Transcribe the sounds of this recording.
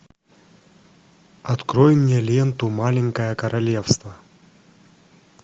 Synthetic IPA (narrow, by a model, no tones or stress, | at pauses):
ɐt̪kɾojɪnʲɪjɛlʲent̪ʊmalʲɪŋkəjəkɐɾɐlʲefst̪vɐ